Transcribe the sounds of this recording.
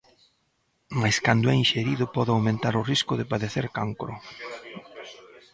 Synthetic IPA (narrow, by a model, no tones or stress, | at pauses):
majskand̪ʊɛinʃeɾiðʊpɔðʊawmẽnt̪aɾʊriskʊðɪpaðeθeɾkaŋkɾʊ